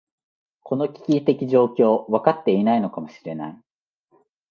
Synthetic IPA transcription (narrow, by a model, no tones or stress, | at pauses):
ko̞no̞kʲi̥kʲit̪e̞kʲiʑo̞ːkʲo̞ːβakat̪ːe̞inaino̞kamo̞ɕiɾe̞na̰i